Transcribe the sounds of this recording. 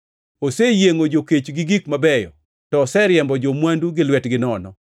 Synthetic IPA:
osejeŋod͡ʒoket͡ʃɡɪɡikmabɛjɔ̰ | tɔsɛɾjɛmbɔd͡ʒomwanduɡɪlwɛtɡɪnɔnɔ

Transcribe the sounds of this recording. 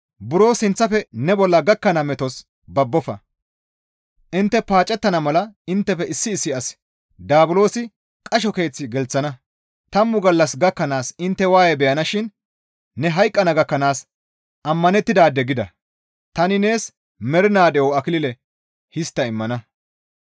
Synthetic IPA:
bʊɾo̞ːsɪnt͡sːɐfɛnɛbɔlːɐɡɐkːɐnɐmɛt̪ɔs | bɐbːɔfɐ̰ | ʔɪnt̪ːɛpaːt͡ʃʼːɛt̪ːɐnɐmɐlɐɪnt̪ːɛfɛɪsːɪːsːɪɐs | d̪aːbʊlo̞ːsɪ | kʼɐʃ̬ɔke̞ːt͡sːɪɡɛlt͡sːɐnɐ | t̪ɐmːʊɡɐlːɐsɡɐkːɐnaːsɪnt̪ːɛwaːjɛbɛjɐnɐʃɪnː | ɛɦɐjkʼːɐnɐɡɐkːɐnaːs | ʔɐmːɐnɛt̪ːɪd̪aːd̪ɛɡɪd̪ɐ̰ | t̪ɐnɪne̞ːs | mɛɾɪnaːd̪ɛjoɐkɪlɪlɛ | hɪst̪ːɐɪmːɐnɐ

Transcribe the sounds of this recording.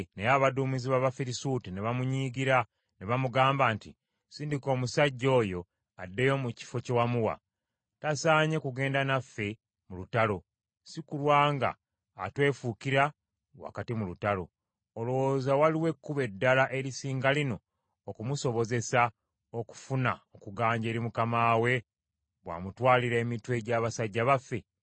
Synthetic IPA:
nejaβaduːmiziβaβafiɾisutineβamuɲiːɡiɾa | neβamuɡaːmbaːnti | siːndiko̞ːmusaɟːo̞ːjo̞ | adːe̞jomuci̥fo̞ce̞wamuwa̰ | tasaːɲe̞kuɡe̞ːndanafːe̞ | mulutalo̞ | sikulwaːŋɡa̰ː | twe̞ːfukiɾa | wa̰katimulutalo̞̰ | olowozawaliwe̞kːuβe̞dːalaʔe̞ɾisiːŋɡalino̞ː | kumuso̞βo̞ze̞sa | oku̥funa̰okuɡaːɲɟeːɾimukamaːwe̞ | βwa̰ːmutwaːliɾe̞ːmitwe̞ɟaːβasaɟːaβafːe̞

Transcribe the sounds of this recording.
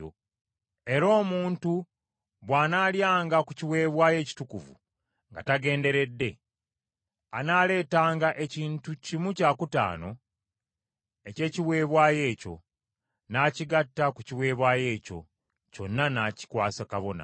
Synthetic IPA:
o̰ | e̞ɾo̞ːmuːntu | βwaːnaːljaːŋɡakuciwe̞ːβwaːje̞ːci̥tukuvṵ | ŋɡa̰taɡe̞ːnde̞ɾe̞dːe̞ | anaːle̞ːtaːŋɡaʔe̞ciːntucimucaːkuta̰ːno̞ | e̞ce̞ːciwe̞ːβwaːje̞ːco̞̰ | naːciɡatːakuciwe̞ːβwaːje̞ːco̞̰ | co̞nːanaci̥kwaːsakaβona̰

